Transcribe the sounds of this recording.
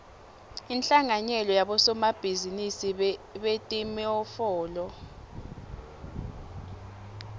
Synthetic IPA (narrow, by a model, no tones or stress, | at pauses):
int͡ɬʼaŋaɲɛlɔjaɓɔsɔmab̥ʱizinisiɓetʼimɛɔfɔːlɔ